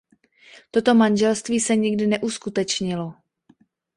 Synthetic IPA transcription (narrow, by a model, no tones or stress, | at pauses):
t̪o̞t̪o̞manʒɛlst̪viːsɛɲɪɡdɪnɛʔuskut̪ɛt͡ʃɲɪlo